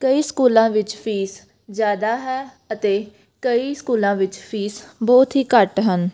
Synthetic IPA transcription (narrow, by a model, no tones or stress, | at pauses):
kəiːskuːlãːʋɪt͡ʃpʰiːs | zjaːd̪aːɦɛː | ət̪eː | kəiːskuːlãːʋɪt͡ʃpʰiːsbɔːt̪ɦiːkəʈɦən